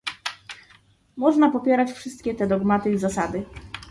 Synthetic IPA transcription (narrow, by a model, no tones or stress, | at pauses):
mɔʐnapɔpʲjɛɾat͡ɕfʂɘst̪kʲɛt̪ɛd̪ɔɡmat̪ɘizasad̪ɘ